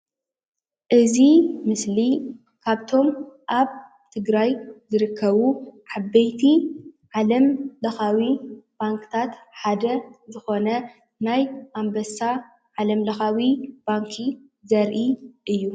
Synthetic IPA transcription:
ʔɨzimɨsli | kʰaβt̪ʰo̞mʔaβ | t̪ʰɨɡɾajzɨɾɨkʰːɐβuʕabɐjt̪ʰiʕalɐmlɐxawib̥aŋkɨ̥t̪ʰat̪ħad̪ɐzɨxo̞nɐ | najʔambɐsa | ʕalɐmlɐxawib̥aŋkʰi | zɐɾʔiʔɨjːu

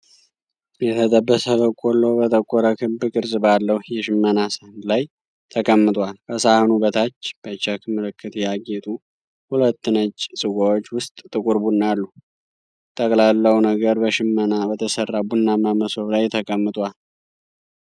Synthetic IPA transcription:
jɛt̪ʰət̪ʼəbːəsəβəkʼolːo̞bət̪ʰəkʼːoɾəkʰɨbɨkʼɨɾzʼɨbalːəhjɛʃɪmːənasəhɨnd̪laj | t̪ʰəkʼəmːɨt̪ʼwalkʰəsahnubət̪ʰat͡ʃːb̥ət͡ʃːakʰɨmɨlɨkːɨt̪jaɡet̪ʼu | hulət̪ːɨnət͡ʃːsʼɨɡowot͡ʃːwʊst̪ʼt̪ʼːɨkʼʊɾbunːalːu | t̪ʼəkʼlalːəwunəɡəɾbəʃɪmːənabət̪ʰəsərːabunːamaməso̞βlajt̪ʰəkʼəmːɨt̪ʼwal

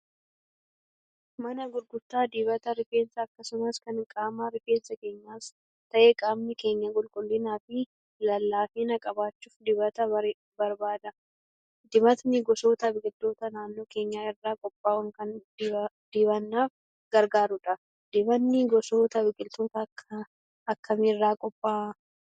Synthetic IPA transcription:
mɐnɐɡʊɾɡʊt̪ːaːd̪ɪːbɐt̪ɐɾɪfe̞ːnsɐːkːɐsʊmɐskɐnɪŋkʼaːmaːɾɪfeːnsɐke̞ːɲːaːs | t̪ɐʔeːkʼaːmnɪke̞ːɲːɐkʼʊlkʼʊlːɪnaːfɪ | lɐlːaːfiːnɐkʼɐbaːt͡ʃːuːfd̪ɪβɐt̪ɐ | bɐɾbaːd̪ɐ | d̪ɪbɐt̪nɪɡɔso̞ːt̪ɐbɪkʼɪlt̪o̞ːt̪ɐnaːnːoːke̞ːɲːaːɪrːaːkʼɔpʼːaːwɐŋkɐnd̪ | d̪̥ɪβɐnːaːf | ɡɐɾɡaːɾʊᶑɐ | d̪ɪbɐnːɪɡɔsoːt̪ɐbɪkʼɪlt̪o̞ːt̪ɐkʰːɐ | ɐkːɐmɪrːaːkʼɔpʼːaː

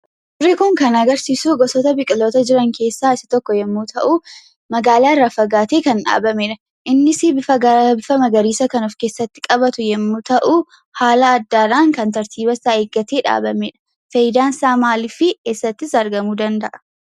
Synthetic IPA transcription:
d̪rːɪkʊŋkɐnɐɡɐɾsiːsuːɡɔsɔt̪ɐbɪkʼɪloːt̪ɐd͡ʒɪɾɐŋkʰe̞ːsːaːɪsɪ̥t̪ɔkːɔjɛmːuːt̪ʰɐʔu | mɐɡaːlaːɪrːafɐɡaːt̪eːkɐnᶑa̰ːbɐmeːᶑɐ | ʔɪnːɪsibɪfɐbɪfɐmɐɡɐɾiːsɐkɐnɔfkeːsːɐt̪ːɪ̥kʼɐbɐt̪ʊjɛmːʊt̪ɐʔu | haːlɐːd̪ːaːᶑaːŋkɐnt̪ɐɾt̪iːbɐsaeːɡːɐt̪eːᶑa̰ːbɐmeːᶑɐ̥ | fɐjɪd̪aːnsaːmaːlɪfɪkesːɐt̪ːɪsɐɾɡɐmuːd̪ɐnd̪ɐʔɐ̥

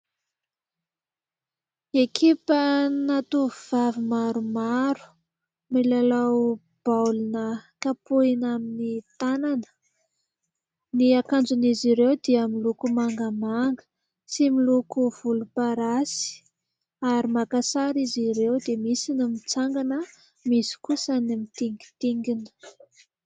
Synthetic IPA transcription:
ekʰipənat̪uuv̥avimaɾumaɾu̥ | milalaw | b̥awlnəkapuinaminit̪ananə̥ | niakand͡zuniziɾewd̪iəmilukumaŋɡəmaŋɡə̥ | similukuv̥ulupaɾasi̥ | aɾimakasaɾiziɾewd̪emisinimit͡saŋɡanə | misi̥kusənimit̪iŋɡi̥t̪iŋɡinə̥

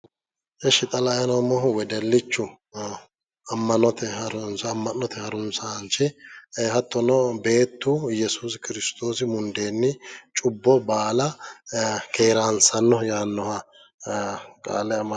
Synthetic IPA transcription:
ʔɛʃɪt̪ʼɐlajɐnɔmɔɦʊwɛd̪ɛlːɪt͡ʃːʊ | ɐmːɐnɔt̪ɛhɐɾʊnsɐmːɐnːɔt̪ɛhɐɾʊnsɐhɐnt͡ʃɪeɦɐt̪ːɔnɔbe̞ːt̪ːʊjɛsuskɪɾɪst̪o̞ːsɪmʊnd̪eːnːɪt͡ʃʼʊbːɔbaːlɐ | keːɾaːnsɐnːɔjaːnːɔhɐ | kʼa̰ːlːɛɐmː

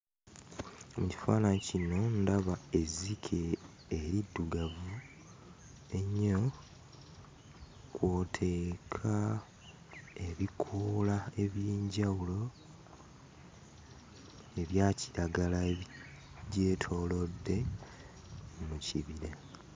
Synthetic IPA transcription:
muci̥faːnacino̞ndaβae̞zikʰeː | ɾidːuɡavu | e̞ɲːo | kwoːtʰe̞kʰa | e̞βikʰulae̞βjeːɲɟawulo̞ | e̞βjaːciɾaɡala | ɟe̞ːtʰo̞ːlo̞dːe̞ | muciβiɾe

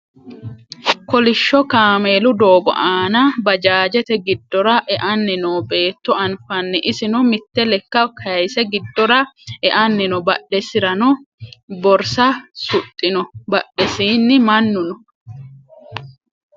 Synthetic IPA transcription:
kɔlɪʃːɔkaːmeːlʊd̪oːɡɔ̰ʔaːnɐbɐd͡ʒaːd͡ʒɛt̪ɛɡɪd̪ːɔɾɐʔɛʔɐnːɪnoːbe̞ːt̪ːɔɐnfɐnːɛʔɪsɪnɔmɪt̪ːɛlɛkːɐkʰɐjsɛɡɪd̪ːɔɾɐʔɛʔɐnːɪnɔbɐɗːɛsɪɾɐnɔbɔɾsɐsʊt̪ʼːɪnɔbɐɗːɛsiːnːɪmɐnːʊnɔ

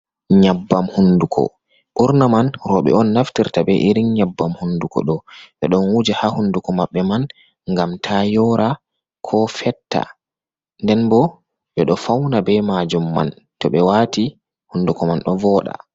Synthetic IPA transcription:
ɲabːamhundukʰɔ̰ | ʔuɾnamanɾɔɓɛ̰ɔnːaftiɾtabɛʔiɾinɲabːamhundukɔ̰ɗɔɓɛɗɔnwud͡ʒahahundukɔmaɓːɛman | ŋɡamtʰajɔɾʔa | kʰɔfɛtːa̰ | ndɛnbɔ | ɓɛɗɔfawnabɛmad͡ʒumːa̰n | tɔɓɛwati | hundukɔmanɗɔvɔɗa̰

